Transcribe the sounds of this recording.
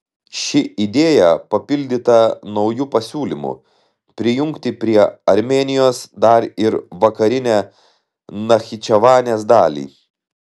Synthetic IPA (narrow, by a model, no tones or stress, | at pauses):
ʃʲɪid̪ʲeːjɛpɐpʲɪlʲd̪ʲɪt̪ɐnɒʊjuːpɐsʲuːlʲɪmṵ | pʲɾʲɪjʊŋkt̪ʲɪpʲɾʲiɛɐɾʲmʲeːnʲɪjoːsd̪ɐɾɪɾʋɐkɐɾʲɪnʲæː | nɐxʲɪt͡ʃʲɛʋɑːnʲeːs̬d̪ɑːlʲḭː